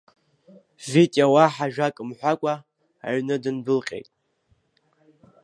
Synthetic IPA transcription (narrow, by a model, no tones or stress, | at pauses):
vitʼjawaħaʒᶣakʼɨmħʷakʷʼa̰ː | ɥnɨdɨnbɨlqʲʼḛjtʼ